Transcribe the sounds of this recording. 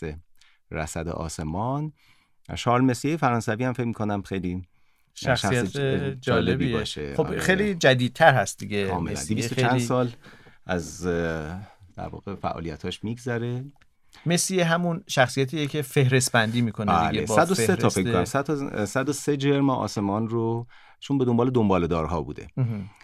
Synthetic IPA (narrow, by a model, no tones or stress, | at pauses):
e | ɾæ̰sæd̪ḛʔɒ̰ːse̞mɒn | ʃɒːɾlme̞sijejefæɾɒːnsæviːhæmfecmikʰonæmxejli | ʃæʃsd͡ʒɒːlebiːbɒ̰ːʃḛoejlid͡ʒæd̪iːd̪̚t̪ʰæɾhæst̪̚d̪iɡekʰɒːmelæ̰ndd̪ibist̪ot͡ʃʰænd̪sɒːlæz | d̪̥æ̰ɾvɒ̰ːɣefæ̰ʔɒ̰ːlijæ̰t̪hɒːʃmiːɡzæɾe | mesijeɦæmunʃæxsijæt̪ʰijecʰefehɾesbænd̪iːmiːkʰonæleesæd̪oseɒfeckkonæ̰msæt̪ʰsæd̪osed͡ʒeɾmɒɒ̰ːse̞mɒːnro | t͡ʃʰonbed̪ombɒːle̞d̪ombɒːled̪ɒːɾɦɒːbṵːd̪ḛ